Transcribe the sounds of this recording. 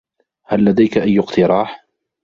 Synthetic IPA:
halːad̪ajkaʔajːʊqt̪ʰɪɾˤɑːħ

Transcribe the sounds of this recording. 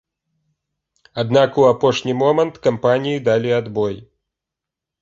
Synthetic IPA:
ad̪nakuapɔʂnʲimɔmɐnt̪kampanʲijid̪alʲiad̪bɔj

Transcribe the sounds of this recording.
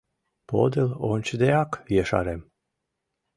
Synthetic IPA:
po̰d̪elonʲt͡ʃd̪eakjeʃa̰ɾem

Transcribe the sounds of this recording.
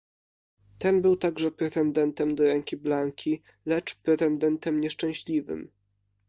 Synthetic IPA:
t̪ɛnbɘwt̪aɡʐɛpɾɛt̪ɛnd̪ɛnt̪ɛmd̪ɔɾɛŋkʲiblaŋkʲi | lɛt͡ʂpɾɛt̪ɛnd̪ɛnt̪ɛmɲɛʂt͡ʂɛ̃w̃ɕlʲivɘ̰m

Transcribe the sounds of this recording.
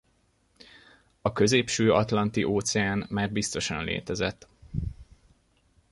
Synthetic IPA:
ɒkø̞zeːpʃøːɒt̪lɒnt̪iʔoːt̪sɛaːnmaːrbist̪o̞ʃɒnlḛːt̪ɛzɛ̰t̪ː

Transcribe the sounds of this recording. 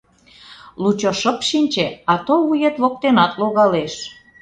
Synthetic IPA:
lut͡ɕoʃəpʃinʲt͡ɕeɑt̪oβujet̪βok̚t̪enɑt̪loɣɑleʃ

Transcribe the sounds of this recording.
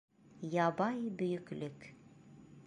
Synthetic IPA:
jɑbɑjbɵ̆jɵ̆klɵk

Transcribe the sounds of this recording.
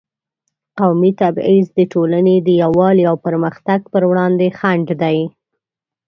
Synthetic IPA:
qawmit̪abizd̪əʈolaned̪əjawɑliawpəɾməxt̪aɡ̚pəɾwɽɑnd̪exaɳɖd̪aj

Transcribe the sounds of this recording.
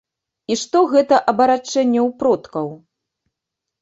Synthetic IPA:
iʂt̪ɔɣɛt̪ɐʔɐbɐɾat͡ʂːɛnʲːɛwpɾɔt̪kɐw

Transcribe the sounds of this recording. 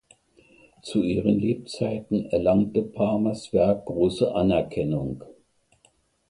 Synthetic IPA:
t͡suʔiːʁ̞ənleːp̚t͡saɪtn̩ɛɐlaŋtəpʰaɐmasv̥ɛɐk̚ɡ̥ʁoːsəʔanɛɐkʰɛnʊŋ

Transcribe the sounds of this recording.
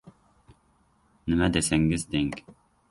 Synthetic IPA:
nɪmɛd̪ɛsɛŋɡɪzd̪ɛŋkʲ

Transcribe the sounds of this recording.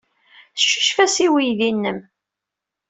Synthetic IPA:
θəʃːə̥ʃfæsiwijðinːəm

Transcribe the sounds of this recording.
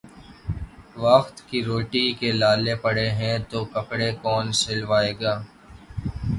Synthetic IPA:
ʋəxt̪kiɾoːʈikelaːlepəɽeɦɛ̃t̪oːkəpɽekɔːnsɪlʋaːeːɡaː

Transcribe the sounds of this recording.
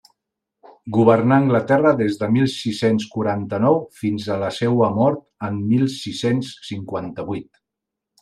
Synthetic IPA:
ɡuβəɾnaːŋɡlət̪ɛrəðezðəmilˠsisenskuɾant̪ənɔwfinzələsɛwəmɔɾt̪əmːilˠsisensːiŋkwant̪əβwit̪

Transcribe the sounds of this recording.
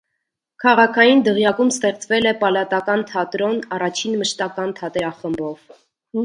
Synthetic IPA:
kʰɑʁɑkʰɑjind̪əʁjɑkumst̪ɛχt͡svɛlɛpɑlɑt̪ɑkɑnt̪ʰɑt̪ɾɔnɑrɑt͡ʃʰinməʃt̪ɑkɑnt̪ʰɑt̪ɛɾɑχəmbɔv

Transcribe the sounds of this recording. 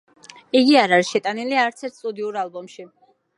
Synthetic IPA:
iɡiaɾaɾiʃɛt̪ʼaniliaɾt̪sʰɛɾt̪̚ʰsʼud̪iuɾalˠbɔmʃi

